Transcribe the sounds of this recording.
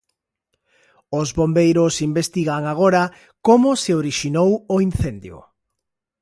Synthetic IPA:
ʊzβombejɾʊsimbest̪iɣaŋaɣ̞oɾa | komʊsɪoɾiʃinowoin̟θend̪jʊ̰

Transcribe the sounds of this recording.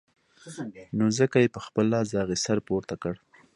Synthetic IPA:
nozəkajepəxpəlɑzɑɣisaɾpuɾt̪akəɽ

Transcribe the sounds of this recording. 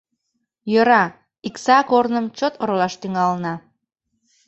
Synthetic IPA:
jøɾɑ | iksɑkornəmt͡ɕot̪oɾolɑʃt̪yŋɑlnɑ

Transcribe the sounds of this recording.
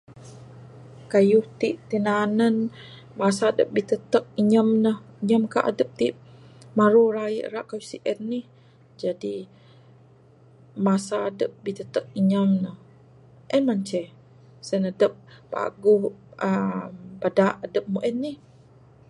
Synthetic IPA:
kajʊht̪iʔt̪inanən | masadə̰p̚bit̪ət̪ək̚iɲəmnəhiɲəmkaʔa̰dəp̚t̪iʔ | maɾuraḭʔɾaʔkajusiʔənːih | d͡ʒadi | masadəp̚bit̪ət̪ək̚iɲəmnəh | ʔənmaɲt͡ʃɛh | sənədəp̚ːa̰ɡʊhʔəmbadaʔadəp̚muʔɛnːih

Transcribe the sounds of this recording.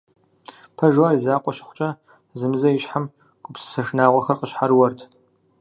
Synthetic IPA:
pʰɐʒaːɾizaːqʷʼɔɕɪχʷʊt͡ʃʼɐ | zɨmɨzɐjɪɕħam | ɡʷʼʊpsɨ̥sɐʂnaːʁʷɐxɐrqʼəɕħaɾwɐrtʰ

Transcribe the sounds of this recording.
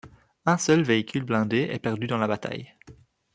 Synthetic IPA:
ɛ̃sœlveikʲʰylblɛ̃d̪eʔɛ̰pɛʁd̪yd̪ɑ̃labat̪a̰j

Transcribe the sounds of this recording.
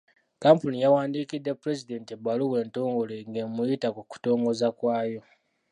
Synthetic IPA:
kampunijawaːndikidːepuɾe̞zide̞ntebaluwe̞ːnto̞ːŋɡo̞leŋɡemujitakuku̥to̞ːŋɡo̞zakwaːjo̞

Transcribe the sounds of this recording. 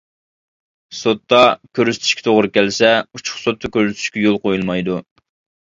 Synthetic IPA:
sot̪ːɑkʲʰøɾyz̥t̪ʰy̥ʃkʲɛ̥t̪ʰoʁɾɨkʲɛlsɛut͡ʃʰʊ̥χsot̪ʰːɑkʲøɾzt̪ʰy̥ʃkʲɛjolˠqojulˠmɑjd̪u

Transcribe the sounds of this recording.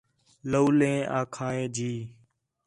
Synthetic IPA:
louːlẽːʔaːkʰaːẽːd͡ʒiː

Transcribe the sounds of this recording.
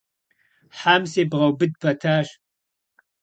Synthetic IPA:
ħaːmseːbʁɐwbɨd̚pʰɐtʰaːɕ

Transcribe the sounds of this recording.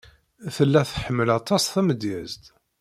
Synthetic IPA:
θəlːæθħəmːəlɑt̪ˤɑsθæməd̪jæzt̪

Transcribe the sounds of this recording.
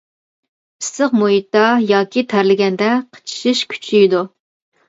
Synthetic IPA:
pʰɨ̥səχmoit̪ːɑjɑːkʲʰit̪ʰæɾlɪɡʲɛnd̪ɛqʰə̥t͡ʃʰi̥ʃiʃkʲʰy̥t͡ʃʰid̪u

